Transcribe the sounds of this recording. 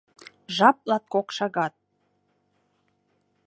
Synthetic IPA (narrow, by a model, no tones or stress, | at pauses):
ʒɑp̚lɑt̪̚kokʃɑɣɑt̪̚